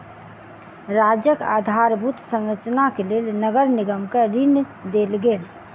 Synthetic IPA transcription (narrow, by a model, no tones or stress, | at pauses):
ɾad͡ʒjəka̰d̪ʱaɾbʱut̪sə̃ŋɾət͡ʃnakelelnəɡəɾniɡəmkeɾin | d̪elɡeːl